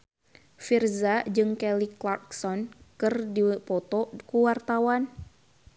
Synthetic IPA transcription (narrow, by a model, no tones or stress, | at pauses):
firzad͡ʒɨŋkɛliklarksɔnkɨrdipɔt̪ɔkuwart̪awan